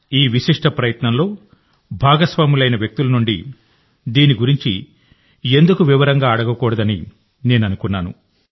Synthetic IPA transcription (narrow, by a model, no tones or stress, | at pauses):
iːʋiʃiʂʈɐpɾɐjɐt̪nɐmlo̞ː | bʱaːɡɐsʋaːmilɐjnɐʋjɐk̚t̪ulɐnuɳɖḭ | d̪iːniɡuɾiɲt͡ʃḭ | e̞nd̪ukuʋiʋɐɾɐŋɡaːɐɽɐɡɐkɔːɽɐd̪ɐni | ne̞ːnɐnukunːaːnṵ